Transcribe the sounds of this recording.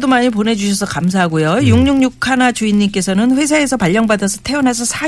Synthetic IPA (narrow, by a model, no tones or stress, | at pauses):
domaɲip̬one̞d͡ʑuɕʰʌsʰʌkams̬ʰaɦaɡojojuŋɲuŋɲukʰanat͡ɕuiɲːimk͈e̞sʰʌnɯnɸwe̞s̬ʰae̞sʰʌpaʎːʌŋbadʌsʰʌ̥tʰe̞ʌnasʰʌsʰa